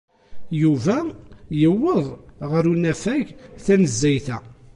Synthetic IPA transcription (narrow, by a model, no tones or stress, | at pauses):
juvæjəwːəðˤʁəɾunæfæʝθænəzːæjθæ